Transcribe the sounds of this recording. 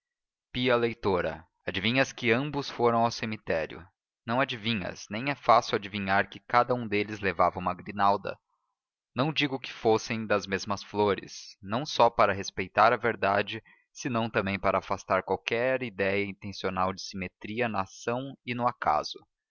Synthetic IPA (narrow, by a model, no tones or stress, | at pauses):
piɐlejt̪oɾɐ̰ | ad͡ʒivĩɲɐskɪɐ̃mbʊsfoɾɐ̃w̃awsemit̪ɛɾjʊ̰ | nɐ̃w̃ad͡ʒivĩɲɐ̰snẽj̃ɛfasɪwad͡ʒivĩɲaɾkɪkad̪ɐũd̪elɪzlevavɐũmɐɡɾinawd̪ɐ̰ | nɐ̃w̃d͡ʒiɡʊkɪ̥fosẽj̃d̪ɐzmezmɐsfloɾɪ̰snɐ̃w̃sɔpaɾɐɦespejt̪aɾɐveɾd̪ad͡ʒɪ | sɪnɐ̃w̃t̪ɐ̃mbẽj̃paɾɐːfast̪aɾkwawkɛɾid̪ɛjɐĩnt̪ẽsionawd͡ʒɪsimet̪ɾiɐnɐːsɐ̃w̃ɪnʊaka̰z̥ʊ